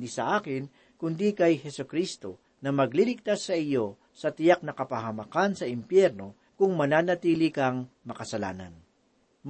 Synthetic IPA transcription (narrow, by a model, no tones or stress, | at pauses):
d̪isɐ̰ʔaːkɪn | kʊnd̪ikɐjhɛsokɾist̪o̞ | nɐmɐɡlilɪɡ̚t̪asːɐɪjo̞ | sɐt̪ɪjak̚nɐkɐpɐɦɐmɐkansɐʔɪmpjɛɾno̞ | kʊŋmɐnaːnɐt̪iːlɪkɐŋmɐkɐsɐla̰ːnɐ̰n